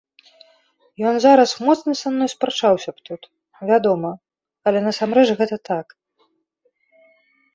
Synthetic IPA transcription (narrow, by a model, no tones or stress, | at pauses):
jɔnzaɾɐsmɔt̪snɨsamnːɔjspɾat͡ʂawsʲɐpt̪ut̪ | vʲad̪ɔmɐ | ɐlʲɛnɐsamɾɛt͡ʂɣɛt̪ɐt̪ak